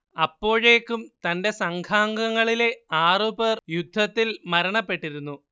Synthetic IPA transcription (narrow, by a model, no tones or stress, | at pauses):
ɐpːo̞ːɻe̞ːkːumt̪ɐnde̞sɐŋɡʰʱaːŋɡɐŋːɐɭile̞aːruperjud̪ʱːɐt̪ːilmɐɾɐɳɐpːe̞ʈːiɾunːu